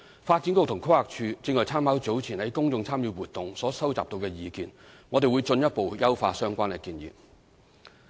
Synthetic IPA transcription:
faː˧t̚t͡si˨˥nkʊ˧t̪ʰʊ˨˩ŋkʰʊ˥haː˨k̚t͡ʃʰyː˧t͡sɪ˧ŋɔː˨jt͡sʰaː˥mhaː˨˥wt͡so˨˥wt͡sʰiː˨˩nhɐ˨˥jkʊ˥ŋt͡sʊ˧ŋt͡sʰaː˥mjyː˧wuː˨t̪ʊ˨ŋsɔː˨˥sɐ˥wt͡saː˨t̪o˧wkɛː˧jiː˨˧kḭː˨nŋɔː˨˧t̪e˨jwu˨˧jt͡sɵ˧njɐ˥t̚po˨wjɐ˥wfaː˧sœː˥ŋkʷaː˥nkɛː˧kiː˧njḭ˨p̚

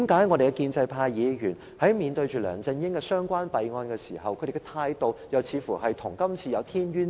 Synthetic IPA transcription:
i˨˥mkaː˨˥jŋɔ˨˧ɾe˨kɛ˧kiː˧nt͡sɐ˧jpʰaː˧jjiː˨˧ɥyː˨˩n | hɐ˨˥jmiː˨˧nt̪ɵ˧ɥt͡ʃyː˨˩lœ̰ː˨˩ŋt͡sɐ˧ŋjɪ˥ŋkɛ˧sœː˥ŋkʷaː˥npɐ˨jŋɔː˧nkɛː˧siː˨˩hɐ˨wkʰɵ˨˧ɾe˨˩kːɛ˧t̪ʰaː˧jt̪o˨˧wjɐ˨wt͡sʰiː˨˧˥fuː˨˩hɐ˨jt̪ʰʊ˨˩ŋkɐ˥mt͡sʰiː˧jɐ˨˧wt̪ʰiː˥nɥyː˥n

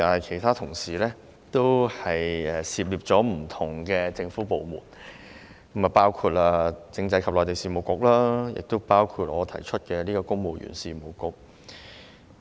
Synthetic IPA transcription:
t̪aː˨˩nhɐ˨jkʰe˨˩jt̪ʰaː˥t̪ʰʊ˨˩ŋsiː˨lɛː˥ | t̪o˥whɐ˨jɛː˨siː˨˧p̬̚liː˨p̚t͡sɔː˨˥m̩˨˩t̪ʰʊ˨˩ŋkɛ˧t͡sɪ˧ŋfuː˨˥po˨wmṵː˨˩n | kɐ˥ma˨˩paː˥wkʰuː˧t̚laː˧t͡sɪ˧ŋt͡sɐ˧jkʰɐ˨p̚lɔː˨˩t̪e˨jsiː˨˩mo˨˩wkʊ˧k̚laː˥jɪ̰˨k̚t̪o˥wpaː˥wkʰuː˧t̚ʔɔː˨˧t̪ʰɐ˨˩jt͡ʃʰɵ˥t̚kɛː˧liː˥kɔː˧kʊ˥ŋmo˨wjy̰ː˨˩nsiː˨mo˨˩wkʊ˨k̚

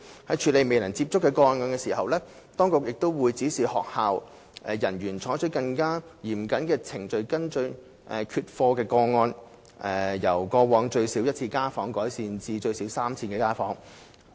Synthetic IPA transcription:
hɐ˨˥jt͡ʃʰyː˨˥le˨˧jme˨jlɐ˨˩ŋt͡siː˧p̚t͡sʊ˥kːɛː˧kɔː˧nŋɔː˧nkɛː˧siː˨˩hɐ˨wlɛː˥ | t̪ɔː˥ŋkʊ˨k̚jɪ˨k̚t̪o˥wwuː˨˧jt͡siː˨˥siː˨hɔ̰ː˨k̚haː˨w | ʔɛ˨˧jɐ˨˩njyː˨˩nt͡ʃʰɔː˨˥jt͡ʃʰɵ˨˥kɐ˧ŋkaː˥jiː˨˩m̩˨˩kɐ˨˥nkɛː˧t͡sʰɪ˨˩ŋt͡ʃɵ˧ɥkɐ˥nt͡ʃɵ˧ɥ | ʔɛː˨kʰyː˧t̚fɔː˧kɛː˧kɔː˧ŋɔː˧n | ʔɛː˨jɐ˨˩wkɔː˧wɔː˨˧˥ŋt͡ʃɵ˧ɥsiː˨˥wjɐ˥t̚t͡sʰiː˧kaː˥fɔː˨˥ŋkɔː˨˥jsiː˧nt͡siː˧t͡ʃɵ˧ɥsiː˨˥wsaː˥mt͡sʰiː˧nkɛː˧kaː˥fɔː˨˥ŋ

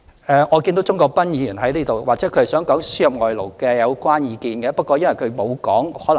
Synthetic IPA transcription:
ʔɛː˨˧ŋɔː˨˧ki˧t̪wt͡sʊ˥ŋkɔː˧k̚pɐ˥njiː˨˧jyː˨˩nɦɐ˨˥jliː˥t̪o˨wwaː˨k̚t͡sɛː˨˥kʰɵ˧hsœː˨˥ŋkɔː˨˥ŋsyː˥jɐ˨p̚ŋɔː˨jlo˨˩wkɛː˧jɐ˨˧wkwaː˥njiː˨˧kiː˧nkɛ˧pɐ˥t̚kʷɔː˧jɐ˥nwɐ˨˩jkʰɵ˨˧ɥmo˨˧wkɔː˨˥ŋhɔː˨˥lɐ˨

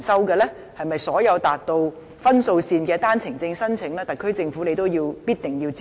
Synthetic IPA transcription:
nsɐ˥wkɛː˧lɛː˥ | hɐ˨jmɐ˨˩jsɔː˨˥jɐ˨˧wt̪aː˨t̚t̪o˧w | fɐ˥nso˧wsiː˧nkɛː˧t̪aː˥nt͡sʰɪ˨˩ŋt͡sɪ˧ŋsɐ˥nt͡sʰɪ˨˥ŋlɛː˥t̪ɐ˨˩kʰːɵ˥t͡sɪ˧ŋfuː˨˥le˨˧jt̪o˥wjiː˧wpiː˥t̚t̪ɪ˨˩ŋjiː˧wt͡sː

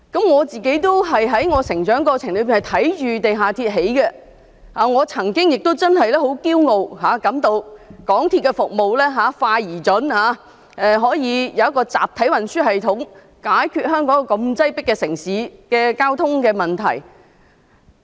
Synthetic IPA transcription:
kɐ˨˥mŋɔː˨˧t͡siː˨ke˨˥jt̪o˥wɦɐ˨jɦɐ˨˥jŋɔː˨˧sɪ˨˩ŋt͡ʃœː˨˥ŋkɔː˧t͡sʰɪ˨˩ŋlɵ˨˧˥pi˨nhɐ˨jt̪ʰɐ˨˥jt͡ʃyː˨t̪e˨jɦaː˨t̪ʰiː˧t̚ɦe˨˥jkɛ˧ | haː˨ŋɔː˨˧t͡sʰɐ˨˩ŋkɪ˥ŋjɪ˨k̚t̪o˥wt͡sɐ˥nɦɐ˨jlɛː˥ho˨˥wkiː˥wŋo˨wɦaː˨˧kɐ˨˥mt̪o˧wkɔː˨˥ŋt̪ʰiː˧t̚kːɛ˧fʊ˨k̚mo˨wlɛː˥ɦaː˨˧faː˧jiː˨˩t͡ʃɵ˨˥nhaː˨˧ | ʔɛː˨˧ɦɔː˨˥jiː˨˧jɐ˨˧wɐ˥kːɔː˧t͡sa̰ː˨p̚t̪ʰɐ˨˥jwɐ˨nsyː˥ɦɐ˨jt̪ʰʊ˨˥ŋ | kaː˨˥jkʰyː˧t̚hœː˥ŋkɔː˨˥ŋkɔː˧kɐ˧mt͡sɐ˥jpɪ˥kːɛː˧sɪ˨˩ŋsiː˨˥kɛː˧kaː˥wt̪ʰʊ˥ŋkɛː˧mɐ˨nt̪ʰɐ̰˨˩j

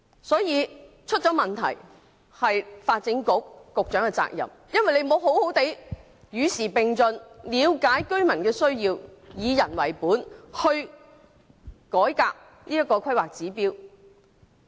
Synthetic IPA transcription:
sɔː˨˥jiː˨˧ | t͡ʃʰɵ˥t̚t͡ʃɔː˨˥mɐ˨nt̪ʰɐ̰˨˩j | hɐ˨jfaː˧t̚t͡sɪ˨˥ŋkʊ˨˥k̚ːʊ˨k̚t͡ʃœː˨˥ŋɛ˧t͡sa̰ː˧˥k̚jɐ̰˨m | jɐ˥nwɐ˨jle˧jmo˨˧wɦo˨˥who˨˥wt̪e˨˥j | jyː˨˧siː˨˩pɪ˨ŋt͡sɵ˨˧nliː˨˧wkaː˨˥jkɵ˥ɥmɐ˨˩nkɛː˧sɵ˥ɥjiː˧wjiː˨˧jɐ˨˩nwɐ̰˨˩jpuː˨˥nhɵ˧ɥ | kɔː˨˥jkaː˧k̚ | niː˥jɐ˥t̚kːɔː˧kʰɐ˥jwaː˨k̚t͡siː˨˥piː˥w

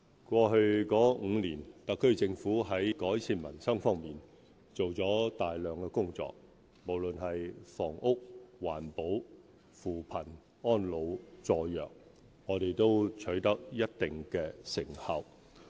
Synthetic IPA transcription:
kʷɔː˧ɦɵ˧ɥkɔː˨˥ŋ̩ː˨˧liː˨˩nt̪ɐ˨kʰːɵ˥ɥt͡sɪ˧ŋfuː˨˥ɦɐ˨˥jkɔː˨˥jt͡sʰiː˧nmɐ̰˨˩nsɐ˥ŋfɔː˥ŋmiː˨n | t͡so˨wt͡sɔː˨˥t̪aː˨jlœː˨ŋkɛː˧kʊ˥ŋt͡sɔ̰ː˨k̚ | mo˨˩wlɵ˨nɦɐ˨jfɔ̰ː˨˩ŋʊ˥k̚wa̰ː˨˩npo˨˥w | fuː˨˩pʰɐ˨˩n | ɔː˥nlo˨˧wt͡sɔː˧jœ̰ː˨k̚ | ŋɔː˨˧ɾe˨jt̪o˥wt͡ʃʰɵ˨˥ɥt̪ɐ˥k̚jɐ˥t̚t̪ɪ˨ŋkɛː˧sɪ˨˩ŋhɐ˨w

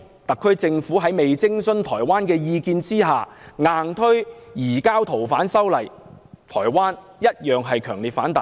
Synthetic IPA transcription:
t̪ɐ˨kʰːɵ˥ɥt͡sɪ˧ŋfuː˨˥ɦɐ˨˥jme˨jt͡sɪ˥ŋsɵ˥nt̪ʰɔ̰ː˨˩jwaː˥nkɛː˧jiː˧kiː˧nt͡siː˥ɦaː˨ŋaː˨nt̪ʰɵ˥ɥjiː˨˩kaː˥wt̪ʰo˨˩wfaː˨˥nsɐ˥wlɐ˨˩jt̪ʰɔː˨˩jwaː˥n | jɐ˥t̚jœː˨ŋɦɐ˨jkʰœː˨˩ŋliː˨˩t̚faː˨˥nt̪a˨

